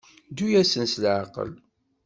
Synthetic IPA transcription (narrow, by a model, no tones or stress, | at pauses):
d̪ujæsənsəlʕaqə̰l